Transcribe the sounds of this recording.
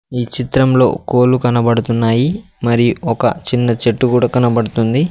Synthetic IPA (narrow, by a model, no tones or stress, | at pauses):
iːt͡ʃit̪ɾɐmlo̞̰ːko̞ːlukɐnɐbɐɽut̪unːaːji | mɐɾijuɔkɐ̰t͡ʃinːɐt͡ʃeʈːukuːɽaːkɐnɐbɐɽut̪und̪i